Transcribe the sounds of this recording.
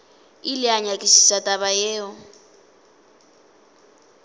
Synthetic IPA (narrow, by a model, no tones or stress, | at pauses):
ilɪaɲakʼisi̥satʼaβajɛːɔ